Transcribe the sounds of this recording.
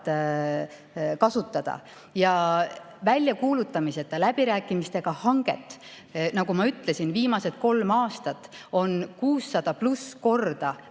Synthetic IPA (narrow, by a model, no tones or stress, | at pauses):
t̪ | kɑsut̪ːˑɑd̪̥ɑ̰ | jɑ | vælʲjɑkuːlut̪ːˑɑmise̞t̪ˑːɑlæb̥iɾæːkːˑimist̪e̞ɡ̥ɑhɑŋɡ̥e̞̰t̪ːˑ | nɑɡ̥umɑyt̪ːˑle̞sinviːmɑse̞t̪̚ko̞lmɑːst̪ɑt̪ːˑo̞nkuːsːɑd̪̥ɑplusko̞rd̪̥ɑ